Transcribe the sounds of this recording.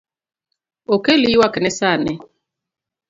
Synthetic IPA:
okeliwakɛnɛsanɛ

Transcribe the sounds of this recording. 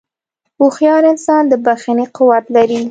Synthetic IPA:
uxjɑɾɪnsɑnd̪əbaxaniqʊwat̪laɾi

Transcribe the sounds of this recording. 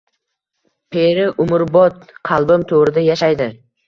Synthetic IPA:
pʰeɾɪʔʊmʊɾbɒt̪̚qʰɑlˠbʊmt̪ʰoʁɾɪd̪ajaʃajd̪ɪ

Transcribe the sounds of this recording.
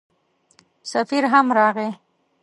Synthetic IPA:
safiɾɦamɾɑɣe

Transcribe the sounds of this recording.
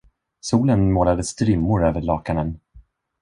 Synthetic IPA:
suːlənmoːlad̪əst̪ɾɪmːʊɾøːvəɭɑːkanən

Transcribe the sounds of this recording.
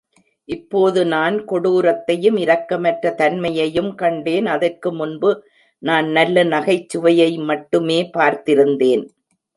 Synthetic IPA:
ʔɪpːoːðɯnaːnkɔɽuːɾɐt̪ːɐjɯmɪɾɐkːɐmɐʈrɐt̪ɐnmɐjɐjɯmkɐɳɖeːnɐðɐrkɯmʊnbɯ | naːnnɐlːɐnɐɣɐɪt͡ʃːɯʋɐjɐɪmɐʈːɯmeːpaːɾt̪ɪɾɯnd̪eːn

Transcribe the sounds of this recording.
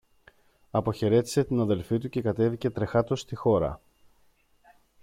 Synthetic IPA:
ɐpo̞çe̞ɾe̞t̪i̥se̞t̪inɐðe̞lfit̪uce̞kɐt̪e̞vice̞t̪ɾe̞xɐt̪ost̪ixo̞ɾɐ̰

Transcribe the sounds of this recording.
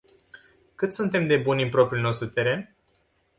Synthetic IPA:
kɨt̪sunt̪e̞md̪e̞bunʲimpɾo̞pɾʲjulʲno̞st̪ɾut̪e̞ɾe̞n

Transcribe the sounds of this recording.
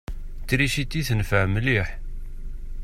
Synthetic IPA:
t͡sːɾiʃit̪ːiθənfəʕmliħ

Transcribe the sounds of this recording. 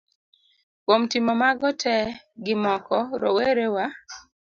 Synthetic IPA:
kwomtɪmɔmaɡɔtʰɛ | ɡɪmɔkɔɾo̰weɾewa

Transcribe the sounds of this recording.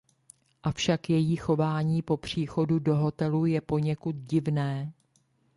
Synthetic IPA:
ʔafʃakjɛjiːxo̞vaːɲiːpo̞pr̝̥iːxo̞dudo̞ɦo̞t̪ɛlujɛpo̞ɲɛkut̪̚ɟɪvnɛː

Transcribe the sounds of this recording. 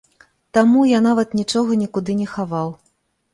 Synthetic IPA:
t̪amujanavɐt̪nʲit͡ʂɔɣɐnʲikud̪ɨnʲɛxavaw

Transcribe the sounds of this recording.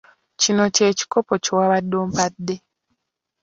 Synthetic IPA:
cino̞ce̞ːci̥ko̞po̞cowaβadːoːmpadːe

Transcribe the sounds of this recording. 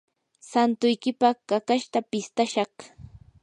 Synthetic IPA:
sant̪ʊjkɪpakakaʃt̪apɪst̪aʃɑχ

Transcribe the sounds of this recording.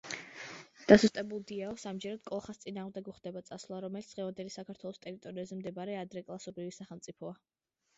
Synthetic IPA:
d̪̥asust̪ʼɛbulˠd̪iaɔsamd͡ʒɛɾad̪̚kʼɔlˠχast̪sʼinaːʁmd̪ɛɡuχd̪ɛbat̪sʼaslˠaɾɔmɛlit̪d̪ʁɛvand̪ɛlisakʰaɾt̪ʰwɛlˠɔst̪ʼɛɾit̪ʼɔɾiazɛmd̪ɛbaɾɛad̪ɾɛkʼlˠasɔbɾivisaχɛlˠmt̪sʼipʰɔa

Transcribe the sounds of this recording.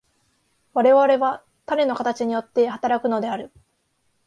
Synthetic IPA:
βaɾe̞βaɾe̞βa | t̪aɾe̞no̞kat̪at͡ɕiɲ̟ijo̞t̪ːe̞hat̪aɾakɯ̟no̞d̪e̞aɾɯ̟

